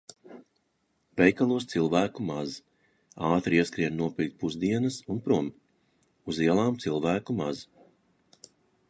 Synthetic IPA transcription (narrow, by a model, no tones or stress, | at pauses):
vɛjkalˠuɔst̪silˠvæːkumaz | aːt̪ɾiɛskɾiɛd̪nuɔpʲil̚ʲpuzd̪iɛnɐsunpɾuɔm | uziɛlˠaːmt̪silˠvæːkumaz